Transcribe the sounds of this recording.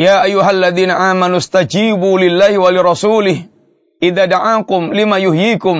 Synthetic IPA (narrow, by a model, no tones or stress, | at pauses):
jaːʔajːʊɦaalːaðiːnaʔaːmanʊst̪ad͡ʒiːbuːlɪlːaːhɪwalɪɾˤɑsuːlɪh | ʔɪðaːd̪aʕaːkʊmlɪmaːjʊhjiːkʊm